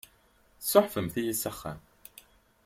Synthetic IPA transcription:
soħfəmθijisːæχːæ̰m

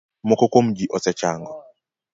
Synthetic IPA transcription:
mokɔkomd͡ʒiʔɔsɛt͡ʃaŋɡɔ

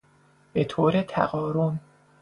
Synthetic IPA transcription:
be̞t̪ʰoːɾet̪ʰæ̰ɣɒːɾon

